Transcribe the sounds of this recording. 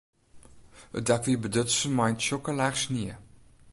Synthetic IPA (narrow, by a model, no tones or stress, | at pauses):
ə̰dakvibədətsəmɐjntʃɔkəlæχsniə